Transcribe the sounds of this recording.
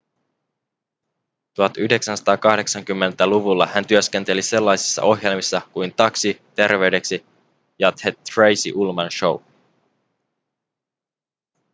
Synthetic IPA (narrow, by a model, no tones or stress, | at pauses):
t̪uhɑt̪yhde̞ksænsɑ̥t̪ɑːkɑhde̞ksɑŋk̟ymːe̞nt̪æluʋulːɑhænt̪yøske̞nt̪e̞lise̞lːɑjsi̥sːɑ̰ʔo̞ɦje̞lmisːɑkujnt̪ɑksit̪e̞rʋe̞yɥde̞ksi | jɑt̪ʰet̪rejsḭʔulmɑnʃo̞w